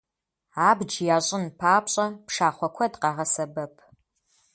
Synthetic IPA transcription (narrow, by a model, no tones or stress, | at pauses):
aːbd͡ʒjaːɕʼɪnpʰaːpɕʼɐpʂaːχʷɔkʷʰɔdqɑːʁɐsɐbɐpʰ